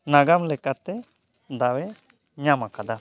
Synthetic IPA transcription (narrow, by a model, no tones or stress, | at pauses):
naɡamlɛkat̪ɛ | d̪awɛ | ɲamakad̪a